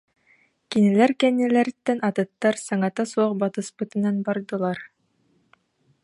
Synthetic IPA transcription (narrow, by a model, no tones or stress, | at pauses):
kinilæɾkɛnːilæɾt̪ːɛnɑt̪ɯ̆t̪ːaɾsɑŋat̪asuɔχbat̪ɯspɯt̪ɯ̆nɑnbɑɾd̪ɯ̆lˠɑɾ